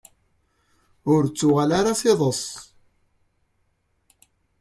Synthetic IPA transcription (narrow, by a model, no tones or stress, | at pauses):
ʊɾt͡sːʊʁalaɾasɪðˤəsˤ